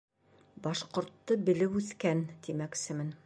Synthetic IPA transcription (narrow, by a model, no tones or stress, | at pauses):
bɑʃqŏɾt̪ːɤbɘ̆lɘwʉθkænt̪imæksɘmɘn